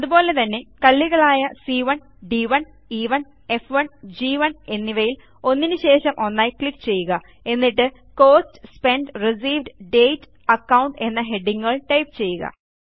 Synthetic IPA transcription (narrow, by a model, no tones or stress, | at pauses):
ɐðubo̞ːle̞t̪ɐnːe̞kɐlːiɣɐɭaːjɐsiʋɐɳ | ɖiʋɐn | iʋɐn | e̞fʋɐɳd͡ʑiːʋɐne̞nːiʋɐjil | o̞nːinɨɕe̞ːʂɐmʔo̞nːaːjikɭikːt͡ɕe̞jːuɣɐ | e̞nːiʈːɨ | ko̞ːstspe̞ɳɖris̬iːʋɖɖe̞jtː | ɐkːɐwɳʈe̞nːɐɦe̞ɖːiŋːuɣɐɭʈɐjpt͡ɕe̞jːuɣɐ̰